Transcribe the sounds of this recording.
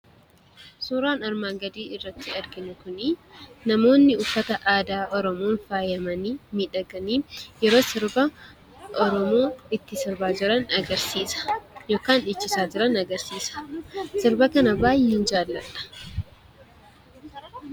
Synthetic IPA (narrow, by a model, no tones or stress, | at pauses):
suːɾaːnɐɾmaːŋɡɐd̪iːɪrːɐt̪ːɪɐɾɡɪnʊkʊninɐmo̞ːnːɪʊfːɐt̪ɐʔaːd̪aːʔɔɾɔmoːnfaːjɐmɐniːmiːᶑɐɡɐniːjɛɾoːsɪɾbɐ | ʔɔɾɔmoːɪt̪ːɪsɪɾbaːd͡ʒɪɾɐnɐɡɐɾsiːsɐ̥jo̞ːkaːnɪt͡ʃːɪsaːd͡ʒɪɾɐnɐɡɐɾsiːsɐ̥sɪɾbɐkɐnɐbaːjɪːnd͡ʒaːlːɐᶑ̪ɐ̥